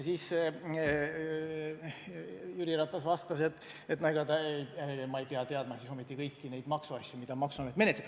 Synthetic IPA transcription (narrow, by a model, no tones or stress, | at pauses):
siːs | jyɾiɾɑt̪ːˑɑsvɑst̪ɑse̞t̪ːˑ | et̪næjɡ̥ɑd̪ɑejmɑejpeɑt̪eɑd̪mɑsiso̞mit̪ˑːikɤjkːine̞jd̪mɑksuɑsʲjumid̪̥ɑmɑksuɑmet̪ːˑe̞net̪let̪